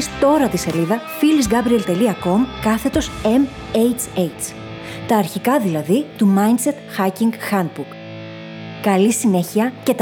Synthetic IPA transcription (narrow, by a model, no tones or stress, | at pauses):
st̪o̞ɾɐt̪ise̞liðɐfilizɡɐbɾie̞lt̪e̞liɐko̞mkɐθe̞t̪o̞se̞m | ejt͡sejt͡s | t̪ɐːɾçikɐðilɐðit̪umɐind̪se̞t̪xɐciŋɡxɐnd̪̚buɾk | kɐlisine̞çiɐce̞t̪